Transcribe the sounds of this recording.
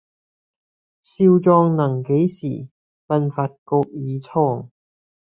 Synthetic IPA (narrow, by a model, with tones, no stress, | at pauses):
siː˧wt͡sɔː˧ŋnɐ˨˩ŋke˨˥jsiː˨˩ | fɐ˧nfaː˧t̚ko˧k̚jiː˨˧t͡sʰɔː˧ŋ